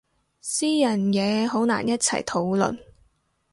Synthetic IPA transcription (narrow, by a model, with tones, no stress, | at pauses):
siː˥jɐ˨˩njɛː˨˧ɦo˨˥wna̰ː˨˩njɐ˥t̚t͡sʰɐ̰˨˩jt̪ʰo˨˥wlɵ̰˨n